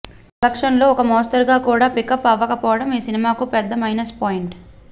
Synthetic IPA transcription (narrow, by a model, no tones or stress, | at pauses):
lɐkʂɐnlo̞ːɔkɐmɔːst̪ɐɾɡaːkuːɽaːpikɐpːɐʋːɐkɐpɔːʋɐɽɐmiːsinimaːkupɛd̪ːɐmɐjnɐspaːjiɳʈ